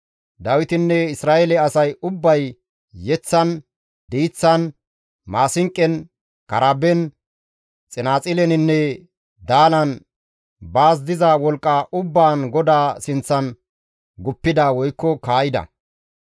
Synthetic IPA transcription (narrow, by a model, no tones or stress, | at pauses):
d̪ɐwɪt̪ɪnːɛɪsɾaːʔɛlɛɐsɐjʊbːɐj | jɛt͡sːɐn | d̪iːt͡sːɐn | maːsɪŋkʼːɛn | kɐɾabɛn | t͡sʼɪnaːt͡sʼɪlɛnɪnːɛ | d̪aːlɐn | baːs̬d̪ɪzɐwɔlkʼːaʔʊbːaːnɡɔd̪aːsɪnt͡sːɐn | ɡʊpːɪd̪awɔjkːɔkaːjɪd̪ɐ̰